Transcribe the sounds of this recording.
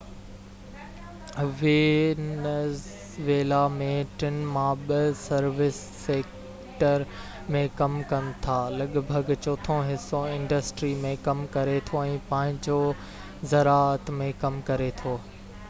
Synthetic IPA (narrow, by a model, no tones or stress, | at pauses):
ʋenəs | ʋeːlamẽʈɪnmãɓɐsɐɾʋɪsːeːk | ʈəɾ | mẽkɐmkɐnɪ̆t̪ʰaːlɐɠbʱəɡt͡ɕoːt̪ʰõɦɪsːõɪ̃ɳɖəsʈɾimẽkɐmkɐɾet̪ʰoɛ̃ːpãːɦɪ̃ɲd͡ʑo | zɐɾaːət̪mẽkɐmkɐɾet̪ʰoː